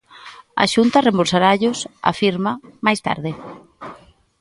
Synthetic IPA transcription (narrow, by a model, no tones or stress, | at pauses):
a̰ʃunt̪ɐremboɾsaɾaʎʊsa̰fiɾmɐmajst̪a̰ɾðɪ